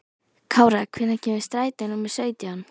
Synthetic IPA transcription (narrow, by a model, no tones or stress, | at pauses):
kʰaːwɾakʰvɪnːacʰɛːmvɪst̪ɾaːjt̪ɪnumɪ̥sœːɥt̪jan